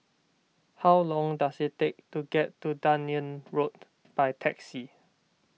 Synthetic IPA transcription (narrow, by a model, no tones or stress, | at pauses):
hawlɔ̃ŋdasittek̚tuɡɛtːudãniə̃nɹot̚ | b̥ajtʰɛksi